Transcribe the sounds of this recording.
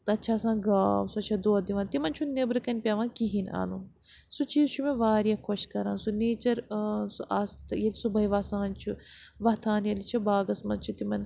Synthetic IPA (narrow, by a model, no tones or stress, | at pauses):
t̪ɐɐtːʃʰaːsãːɡaːwsuɐt͡ʃʰɐd̪oːd̪iʋãnt̪imɐnt͡ʃʰunebɾɨkɐnʲpʲaːʋãːkiɦina̰ːnu | sut͡ʃiːzt͡ʃʰumẽʋaːɾijakʰoʃkɐɾãːnsuneːt͡ʃɐɾsuʔaːst̪jɐlisubɐiʋaːsãːnt͡ʃʰuʋɐt̪ʰaːnjɐlit͡ʃʰibaːɡɐsmɐnt͡ʃʰut̪imɐn